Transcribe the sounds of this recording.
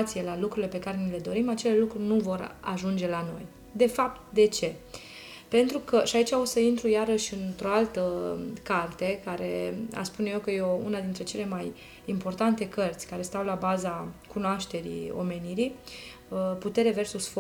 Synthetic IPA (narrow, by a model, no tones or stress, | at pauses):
t̪sije̞lalukɾulile̞pe̞kaɾe̞nile̞d̪o̞ɾimat͡ʃe̞le̞lukɾunuvo̞ɾa̰ʒund͡ʒe̞lano̞̰j | d̪e̞fap̚t̪d̪e̞t͡ʃe̞ | pe̞nt̪ɾukəʃiait͡ʃao̞səint̪ɾujaɾəʃʲɨnt̪ɾo̞alt̪əkart̪e̞kaɾe̞̰a̰spunejewkəjeounad̪int̪ɾe̞t͡ʃe̞le̞maj | impo̞rt̪ant̪e̞kərt̪sʲkaɾe̞st̪awlabazakunoaʃt̪e̞ɾḭo̞̰me̞niɾi | put̪e̞ɾeve̞rsusf